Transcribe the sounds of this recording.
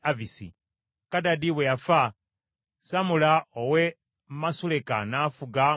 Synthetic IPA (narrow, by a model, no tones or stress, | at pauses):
avisḭ | kadadiβweafa | samulaowe | mmasuleka̰nafuɡa